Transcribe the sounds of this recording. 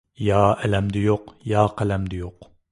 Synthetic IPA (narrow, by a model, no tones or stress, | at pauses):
jɑːʔɛlɛmd̪ɪjoqjɑːqælɛmd̪ɪjoq